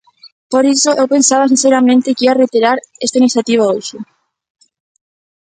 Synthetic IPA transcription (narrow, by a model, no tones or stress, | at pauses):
poɾisoʔewpensaβ̞as̬in̟θeɾamẽnt̪ɪkiarejt̪eɾaɾest̪ainiθjat̪iβ̞aowsʊ